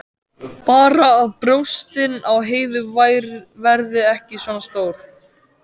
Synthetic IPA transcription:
paːɾaːðpɾoːwst̪ɪnawɦeːjðʏvaːjɾvɛɾðɪɛhcɪsvanast̪oːwɾ̥

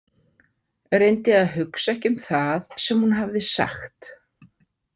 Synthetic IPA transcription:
ɾejnt̪ɪaðhʏksɛhcʏmθaðsɛmhunɦavðɪsa̰xt̪

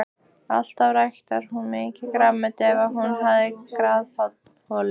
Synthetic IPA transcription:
a̰l̥t̪avɾajxt̪aɾ̥hunmecɪkɾamːɪt̪ɛvaðɦunɦaðɪkɾaːðfat̪̚n | hɔːlɪ

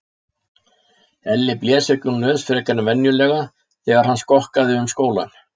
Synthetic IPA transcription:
ɛlːɪpljɛːsɪhk̪ʏnœːðfɪɾɪkʰɛnːavɛnjʏlɛːɣa | θɛɣaɾ̥hanːskɔhkaðɪʏmskoːwla̰n

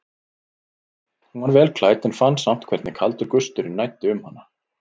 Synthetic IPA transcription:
huvanvɛːlkʰlaːjt̪ɪnfanːsam̥t̪kʰɛɾt̪nɪkʰalt̪ʏɾkʏst̪ʏɾɪnːajt̪ːɪʏmhanːa

